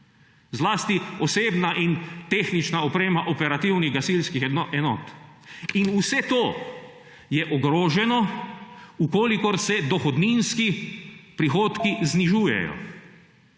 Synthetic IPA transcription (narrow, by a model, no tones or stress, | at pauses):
zlaːst̪iɔseːbnaʔint̪eːxnit͡ʃnaɔpɾeːmaʔɔpɛɾat̪iwniɣɡasilskixɛnɔ̰ːt̪ | inusɛt̪oː | jɛʔɔɡɾoːʒɛnɔ | ukoːlikɔɾsɛd̪ɔxɔd̪ninskipɾixoːt̪kizniʒuːjɛ̰jɔ̰